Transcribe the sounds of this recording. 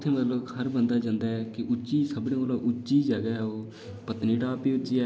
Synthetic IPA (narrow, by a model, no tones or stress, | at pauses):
t̪ʰːẽːmət̪ləkhəɾbənd̪aːd͡ʒãːnd̪aːɦɛːkɪʔʊt͡ʃiːsəbɽẽːoːlaːʔʊt͡ʃd͡ʒiːd͡ʒaɡaːɦɛoː | pət̪niːʈaːpiːʊt͡ʃiː